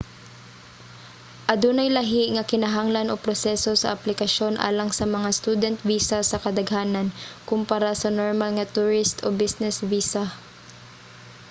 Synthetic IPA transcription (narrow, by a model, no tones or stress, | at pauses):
ʔɐd̪uːnɐjlɐɦɪʔŋɐkɪnɐɦaŋlanopɾosɛso̞sɐ̰ʔɐplɪkɐʃjo̞nʔa̰ːlɐŋsɐmɐŋast̪ud̪ɛnt̪̚viːsasɐkɐd̪ɐɡhaːnɐnkʊmpaɾasɐnoɹmalŋɐt̪ʊɹɪst̪obɪsnɛsviːsa